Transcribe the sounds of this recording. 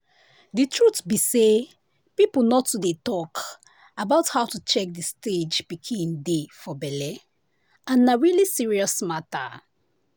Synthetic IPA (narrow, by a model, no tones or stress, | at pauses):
ditʰɹutbise | piplnɔtːudetɔk | abaʊthaʊtut͡ʃɛk̚disted͡ʒpikʰĩndefɔbɛlɛ | ãnːaɹilisiɹiɔsmata̰